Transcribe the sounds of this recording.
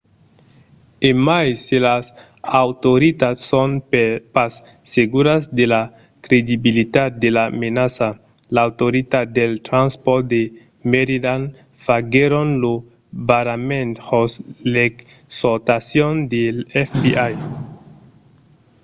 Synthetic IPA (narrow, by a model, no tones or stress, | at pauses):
emajselas | awtoɾit̪atsonpasː | eɡuɾasd̪ela | kɾed̪ibilit̪at̪̚d̪elamenasa | laːwt̪oɾit̪at̚d̪elt̪ɾanspoɾt̚d̪e | meɾidan | faɡeɾonlo | baɾamẽnt̪hoslek | soɾt̪asjond̪elɛfbiʔaj